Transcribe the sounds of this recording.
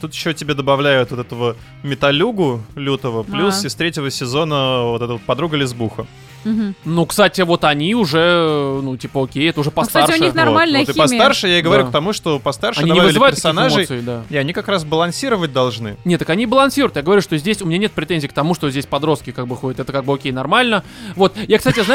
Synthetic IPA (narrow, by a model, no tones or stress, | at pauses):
t̪ut̪jɪɕːotʲɪbʲed̪əbɐvlʲæjʊt̪vot̪ɛt̪əvə | mʲɪt̪ɐlʲuɡʊlʲut̪əvəplʲusɪst̪ɾʲetʲɪvəsʲɪzo̞nəvoɛt̪əvot̪̚pɐd̪ɾuɡəlʲɪzbuxə | nukst̪atʲɪvo̞t̪ɐnʲiʊʐɛnutʲipəokʲejɛt̪əʊʐɛpɐst̪arʂɪʊninarmalʲnət̪ɨpɐst̪arʂɨjaɪɡəvɐɾɾukt̪ɐmuʂt̪opɐst̪arʂɐnɨdʲiɐɲʲnbavɨvɪlʲɨvajtɪɾsinɪaʐmoɨj̪sɨɪd̪aiɐnʲikakɾasbəlˠɐnsʲiɾəvət̚ʲd̪ɐlˠʐnɨnʲet̪əkɐnʲibəlˠɐnsʲiɾʊjt̪jaɡəvɐɾʲuʂt̪ozʲdʲesʲʊmʲɪnʲanʲet̪pɾʲɪt̪enʲzʲik̚t̪ɐmuʂt̪o̞zʲdʲesʲpɐd̪ɾo̞st̪̚kʲɪkak̚bɨxodʲɪt̪ɛt̪əkaɡ̚bɨokʲejnɐrmalʲnəvo̞t̪jakst̪atʲɪzna